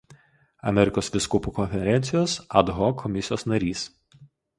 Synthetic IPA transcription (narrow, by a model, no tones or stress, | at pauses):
ɐ̰mʲɛɾʲɪkoːsʋʲɪskʊpuːkɔnʲfʲɛɾʲɛnʲt̪sʲɪjoːsɐd̪ɦɔkʰɔmʲɪsʲɪjoːsnɐɾʲiːs